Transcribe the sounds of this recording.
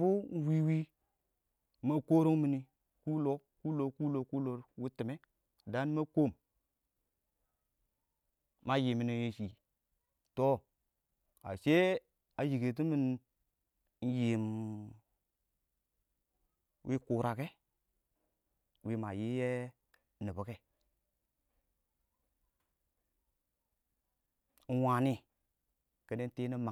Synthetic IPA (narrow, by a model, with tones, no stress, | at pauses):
bu˦n˦wi˦wi˦ | ma˨ko˦ɾo˦ŋmi˨ni˨ | ku˦lo˦ku˦lo˨ku˦lo˨˦ku˦lo˨˦ɾwi˦ti˨me˦˨ | da˦n˦ma˦ko˦˨m | ma˦ji˨mi˨no˨je˦ʃi˨ | to˦ | a̰˨se˦ | a˨ji˨ke˨t̬i˦mi˦n | n̩˦jeː˨m | wʔi˦ku˨ɾa˨ke˦ | wi˦ma˨ji˦je˦ | ni˨bu˨˦ke˦ | n̩˦wa˨ni˦ | ke˦ne˦n˦te˦ni˦ma˨